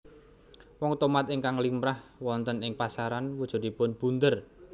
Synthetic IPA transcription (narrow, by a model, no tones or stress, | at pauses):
wɔŋt̪omat̪ɪŋkaŋlimɾahwɔnt̪ənɪŋpasaɾanwud̥ʒ̥ɔ̤d̪̥i̤pʊnb̥ṳnd̪ər